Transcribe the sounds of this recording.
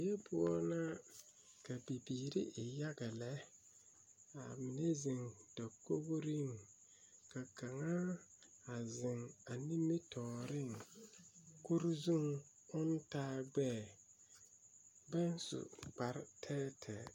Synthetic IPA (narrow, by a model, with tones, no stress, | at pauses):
e˦bʊ˦ɔ˦na˦ | ka˨bi˨biː˨ɾɪ̰˦ʔɪ˨ja˦ɡa˨lɛ˦ | a˨mɪ˨ne˦zɪ˨ŋd̥ɔ˨ko˦ɡɾɪ˦˨ŋ | ka˨ka˨ŋa˦ | a˨zɪ˨ŋa˨ni˦mi˦tʰɔː˨ɾɪ˦ŋ | ku˦ɾzu˦ŋ | ʊ˦n˦taː˦ɡ͡bɛː˦˨ | bɛ˦n˦sʊ̰˨k͡pa˨ɾtʰɛː˦tʰɛ̰˨